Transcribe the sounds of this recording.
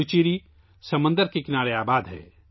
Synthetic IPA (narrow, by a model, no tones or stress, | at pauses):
ut͡ʃiːɾi | sɐmə̃nd̪əɾkekɪnaːɾeaːbaːd̪ɦɛ̰ː